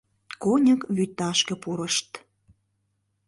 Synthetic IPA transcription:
konʲəkβyt̪ːɑʃkĕpuɾəʃt̪

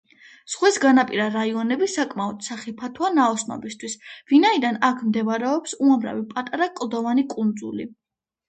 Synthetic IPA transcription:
sχwɛsɡanapʼiɾaɾaiɔnɛbisakʼmaɔd̪̥saχipʰat̪ʰwanaɔsnɔ̰bist̪ʰwisvinaid̪anakʰmd̪ɛvaɾɛɔpsuamɾa̰vipʼat̪ʼaɾakʼlˠd̪ɔvanikʼund̪zṵlḭ

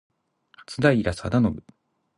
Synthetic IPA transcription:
hḁt͡sɨd̪aiɾasad̪anobɯ̟

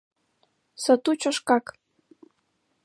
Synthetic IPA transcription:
sɤ̆t̪ut͡ɕə̆ʃkɑk

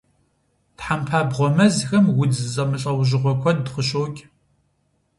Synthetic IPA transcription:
tħampʰaːbʁʷɔmɐzxɐmwʊd͡zɨzʼɐmɨɬʼɐwʒɪʁʷɔkʷʰɔdqəɕoːɡʲʼ

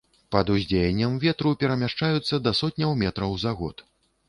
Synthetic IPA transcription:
pɐd̪uzʲd͡zʲejɛnʲːɐmvʲɛt̪ɾupʲɛɾɐmʲaʂt͡ʂajut̪sːɐd̪ɐsɔt̪̚ʲnʲɐwmʲɛt̪ɾɐwzaɣɔ̰t̪

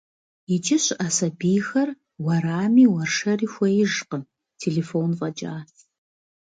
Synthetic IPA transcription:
ɪt͡ʃʼɪɕʔaːsɐbiːxɐr | wɐraːmiːwɐrʂɐriːxʷɔjɪʒqəm | tʰeːɮefoːnvɐd͡ʒʼaːs

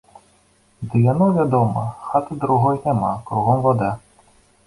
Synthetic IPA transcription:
d̪ɨjanɔvʲad̪ɔmɐxat̪ɨd̪ɾuɣɔjnʲama̰kɾuɣɔmvad̪a

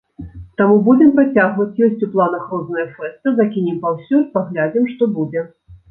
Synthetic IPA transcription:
t̪amubud͡zʲɛmpɾat͡sʲaɣvɐt͡sʲjɔsʲt͡sʲuplˠanɐxɾɔznɐjɐfɛst̪ɨzakʲinʲɛmpawsʲurpaɣlʲad͡zʲimʂt̪ɔbud͡zʲɛ

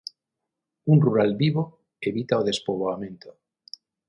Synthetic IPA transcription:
unruɾalbiβo | eβit̪aoðespoβoamẽnt̪o

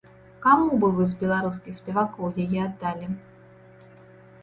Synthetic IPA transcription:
kamubɨvɨzbʲɛlˠaɾuskʲixsʲpʲɛvakɔwjajɛad̪ːalʲi

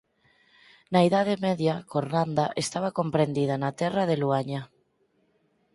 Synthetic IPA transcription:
naiðað̞emɛðjakoɾnand̪aʔest̪aβ̞akompɾend̪ið̞anat̪ɛraðeluaɲa

